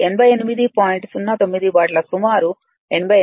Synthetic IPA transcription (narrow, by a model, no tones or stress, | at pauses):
enɐbʱɐjenimid̪ipaːjiɳʈsunːaːt̪omːid̪ibaːʈlɐsumaːɾu | enɐbʱɐj